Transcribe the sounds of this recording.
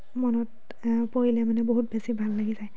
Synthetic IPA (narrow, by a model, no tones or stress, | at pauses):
mɔnɔt | poilɛmanɛboɦut̚besibʱalːaɡizaj